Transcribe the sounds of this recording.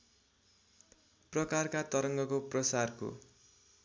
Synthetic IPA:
prʌkarkat̪ʌɾʌŋɡʌkoprʌsarko̰

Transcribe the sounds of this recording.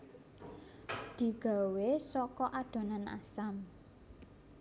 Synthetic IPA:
d̪̥i̤ɡ̥a̤wesɔkɔʔaɖ̪̥o̤nana̰sam

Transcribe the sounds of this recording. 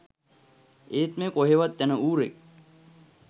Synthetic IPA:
eːt̪mekoɦeʋat̪ːɛnəuːɾek̚

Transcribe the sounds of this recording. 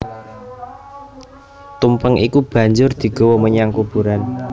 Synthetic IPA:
t̪umpəŋikub̥a̤ɲd͡ʒʊrd̪̥i̤ɡ̥ɔ̤wɔməɲaŋkub̥ṳɾan

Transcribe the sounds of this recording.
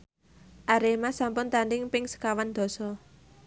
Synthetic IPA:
ʔaɾemasampʊnt̪anɖɪŋpɪŋsə̥kawand̪̥ɔ̤sɔ

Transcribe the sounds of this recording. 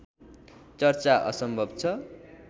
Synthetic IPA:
t͡sʌrt͡saʔʌ̰sʌmbʱʌbt͡sʰʌ

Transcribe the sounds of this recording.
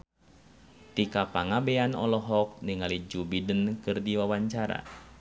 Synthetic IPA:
t̪ikapaŋabɛanɔ̰lɔɦɔk̚niŋalid͡ʒubidənkɨrdiwawaɲt͡ʃaɾa̰

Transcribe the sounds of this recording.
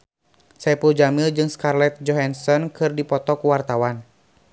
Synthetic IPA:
sɛpuld͡ʒamild͡ʒɨŋskarlɛt̪̚d͡ʒɔɦansɔnkɨrdipɔt̪ɔkuwart̪awan

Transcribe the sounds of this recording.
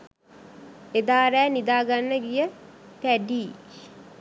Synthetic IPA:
ed̪aːɾæːnid̪aːɡanːəɡijət̪æɖiː

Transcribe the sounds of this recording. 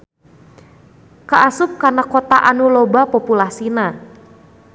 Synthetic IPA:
kaʔasʊp̚kanakot̪aʔanulobapopulasina

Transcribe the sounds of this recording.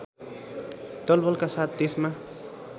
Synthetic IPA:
t̪ɔlbɔlkasat̪̚d̪esma

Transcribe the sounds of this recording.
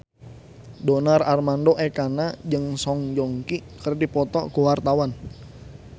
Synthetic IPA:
donararmandoʔɛkanad͡ʒəŋsɔŋd͡ʒɔŋkikərdipɔt̪ɔkuwart̪awan

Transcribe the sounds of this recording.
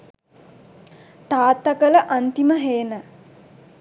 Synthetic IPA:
t̪aːt̪ːɐkələʔant̪iməɦeːnə

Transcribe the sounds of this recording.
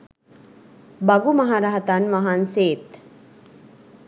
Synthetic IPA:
baɡumaɦaɾaɦat̪anʋaɦanseːt̪

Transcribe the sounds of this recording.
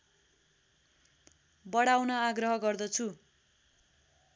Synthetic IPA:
bʌɽawnʌaɡrʌɦʌɡʌrd̪ʌt͡sʰu

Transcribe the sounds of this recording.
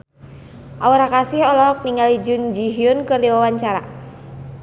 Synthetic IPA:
ʔauɾakasɪhɔlɔk̚niŋalid͡ʒund͡ʒiɦiʊnkɨrdiwawaɲt͡ʃaɾa̰

